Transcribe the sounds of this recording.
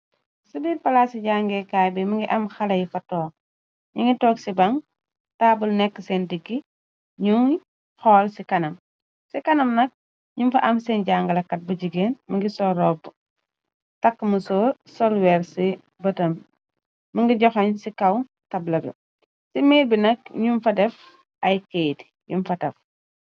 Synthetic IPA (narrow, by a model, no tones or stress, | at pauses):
subipɐlaːsiɟaŋɡɛkaːbimɐŋɡiʔɐmxɐlɐjifɐtɔːk | ɲuŋɡitɔːksibɐŋ | taːbulnɛkːəsɛndiɡi | ɲuŋi | xɔːlsikɐnɐm | sikɐnɐmnɐk̚ | ɲumfɐʔɐmsɛnɟaːŋɡɐlɐkɐt̚bɐɟiɡeːnmɐŋɡisɔɾɔb | tɐkːmusɔːsɔlwɛːɾsi | bɐtɐm | muŋɡiɟɔxɐɲsikɐw | tɐblɐbḭ | simeːbinɐk̚ɲumfɐdɛf | ɐjkejt | jumfɐtɐf